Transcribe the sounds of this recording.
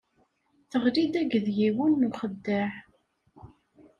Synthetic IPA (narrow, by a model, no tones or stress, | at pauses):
θəʁlid̪æɡəðjiwənːuχəd̪ːəħ